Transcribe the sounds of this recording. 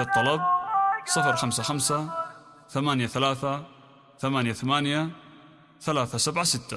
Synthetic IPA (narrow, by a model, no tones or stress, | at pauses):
ɑt̪ˤːɑlɑb̚sˤɨfɾxamsaxamsa | θamaːnjaθalaːθa | θamaːnjaθamaːnja | θalaːθasabʕasɪt̪ːa